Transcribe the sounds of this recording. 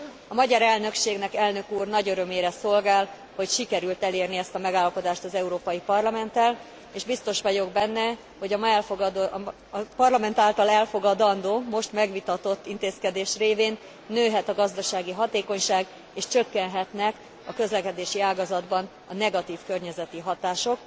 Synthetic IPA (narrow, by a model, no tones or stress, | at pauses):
ɒmɒɟɒɾɛlnø̞kʃeːɡnɛkɛlnø̞kuːrnɒɟøɾømeːɾɛso̞lɡaːl | ho̞cʃikɛɾylt̪ɛleːrniɛst̪ɒmɛɡaːlːɒpo̞d̪aːʃt̪ɒzɛuɾoːpɒjipɒrlɒmɛnt̪ɛl | eːʒbist̪o̞ʃʋɒɟo̞ɡbɛnːɛ | ho̞ɟɒmɛld̪ | pɒrlɒmɛnt̪aːlt̪ɒlɛlfo̞ɡɒd̪ɒnd̪oːmo̞ʃt̪mɛɡʋit̪ɒt̪o̞t̪ːint̪eːskɛd̪eːʃreːveːnː | øːɦɛt̪ɒɡɒzd̪ɒʃaːɡiɦɒt̪eːko̞ɲʃaːɡ | eːʃt͡ʃø̞kːɛnɦɛt̪nɛk | ɒkø̞zlɛkɛd̪eːʃiaːɡɒzɒd̪bɒn | ɒnɛɡɒt̪iːfkørɲɛzɛt̪iɦɒt̪aːʃo̞k